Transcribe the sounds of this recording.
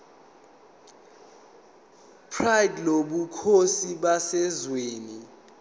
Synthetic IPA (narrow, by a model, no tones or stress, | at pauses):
pʰrajdloɓukʰosiɓasɛzweːni